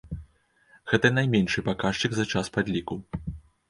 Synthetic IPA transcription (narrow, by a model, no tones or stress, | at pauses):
ɣɛt̪ɐnajmʲɛnʂɨpakaʂt͡ʂɨɡzɐt͡ʂaspad̪ʲlʲikuw